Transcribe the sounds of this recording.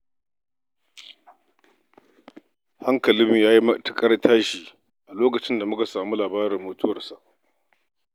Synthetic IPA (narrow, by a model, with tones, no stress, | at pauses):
ha˦ŋkɐ˨lɪ˦mi˨jaː˦ji˦mɐ˦ta˨kʼɐ˦ɽtʰaː˦ʃiː˨ | ʔa˨loː˦kɐ˨t͡ʃɪ˦nda˨mʊ˦ka˨saː˨mu˦laː˨baː˦ɾɪ˨mːoː˨tʊ˦wɐ˨rsa˨ʔ